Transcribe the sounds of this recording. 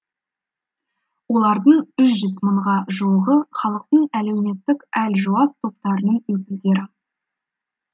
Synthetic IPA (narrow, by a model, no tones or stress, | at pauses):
wo̞lˠɑɾd̪əɴʏʃ̬ʒʏzməɴʁɑʒuwəʁəχɑlˠəq̚t̪əɴæle̞wme̞t̪ːɪkælʒuɑst̪ʰo̞p̚t̪ɑɾənəɴwɵk̬ʲɪld̪e̞ɾɪ